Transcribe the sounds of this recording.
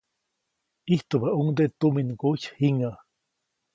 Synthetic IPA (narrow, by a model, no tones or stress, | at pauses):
iht̪ubauŋd̪et̪uminɡoç̥hiŋa